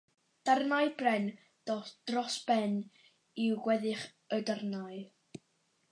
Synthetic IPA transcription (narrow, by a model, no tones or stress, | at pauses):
d̥arnajbrɛn | d̥ɔd̥rɔsb̥ɛn | ɪwɡwɛðɪχ | ədarnaj